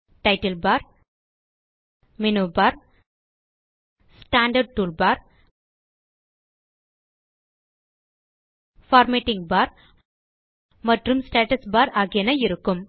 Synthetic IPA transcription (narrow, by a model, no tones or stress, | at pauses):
ʈɐɪʈɐlbaːɾ | mɪnubaːɾ | sʈaːɳɖɐɖ̚ʈuːɭbaːɾ | faːɾmeʈːɪŋɡbaːɾ | mɐʈrɯmsʈeːʈɐsbaːɾaːɣɪjɐnɐɪɾɯkːɯm